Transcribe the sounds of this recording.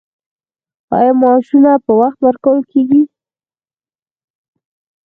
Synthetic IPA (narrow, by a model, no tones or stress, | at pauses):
ɑ̰jɑmɑʃunapəwaxt̪wəɾkawəlkeɡi